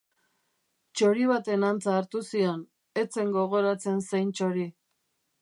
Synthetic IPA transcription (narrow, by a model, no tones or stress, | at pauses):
t͡ʃo̞ɾiβat̪e̞nant͡saːɾt̪usio̞n | e̞t͡se̞ŋɡo̞ɣ̞o̞ɾat͡se̞nsejnt͡ʃo̞ɾi